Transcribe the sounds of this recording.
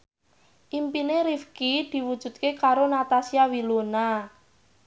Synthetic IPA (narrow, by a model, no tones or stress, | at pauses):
ʔimpineɾifkid̪̥i̤wud̥ʒ̥ṳd̪̚kekaɾonat̪asiawilona